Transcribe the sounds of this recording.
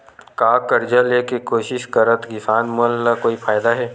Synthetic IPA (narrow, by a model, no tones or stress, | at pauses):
kaːkəɾd͡ʒaleːkekoːʃɪʃkɐɾət̪ɡɪsaːnmʊəlːakoːifʰaːjd̪aɦɛː